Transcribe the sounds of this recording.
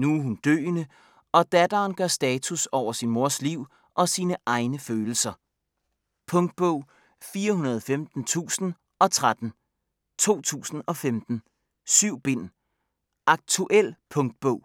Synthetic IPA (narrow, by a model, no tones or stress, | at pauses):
nuhund̥ø̰ːnə | ɒ̽d̥æd̥ɐːnɡ̥ɶsd̥ɛːt͡sʰusɒʊ̰ɐsinmo̝ɐ̰sliʊ̰ | ʔɒ̽siːnəʔɑ̈ɪnəføːl̩sɐ | pʰɔ̽ŋd̥̚b̥ɔʊ̰ | fiːɐɦunɐð̞ˠfemd̥n̩t͡sʰṵːsn̩ | ɒ̽t͡sʰʁad̥n̩ | t͡sʰo̝̰ːt͡sʰṵːsn̩ɒ̽femd̥n̩ | syʊ̰b̥e̝n̰ | ʔɑ̈ɡ̥̚t͡sʰuʔel̰pʰɔ̽ŋ̚d̥̚b̥ɔʊ̰